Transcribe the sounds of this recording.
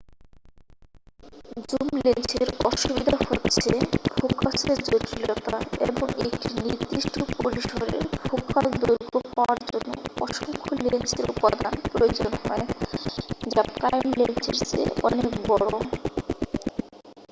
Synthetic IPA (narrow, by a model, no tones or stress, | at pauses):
d͡ʑumlent͡ɕeɾɔʃubid̪ʱaɦhotːɕʰebʱokaʃeɾd͡ʑot̪ɾilɔt̪aḛboŋekʈiniɾd̪ɾiʃʈʰopoɾiʃoɾḛɾbʱokald̪uɾɡopawaɾd͡ʑonːoɔʃoŋkʰolent͡ɕeɾupad̪anpɾojod͡ʑonhɔe | d͡ʑakajmlent͡ɕeɾt͡ɕḛɔnekbɔɽoo